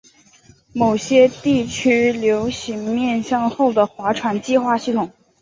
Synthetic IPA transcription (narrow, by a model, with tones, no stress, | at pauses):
mo˨˩ʊɕjɛ˥t̪i˥˩t͡ɕʰy˥ljo˧˥ʊɕi˧˥ŋmjɛ˥˧nɕjɑ˥˧ŋxo˥˩ʊd̪ə˩xwa˧˥ʈ͡ʂʰwa˧˥nt͡ɕi˥˧xwa˥˧ɕi˥˩t̪ʰʊ˨˩˦ŋ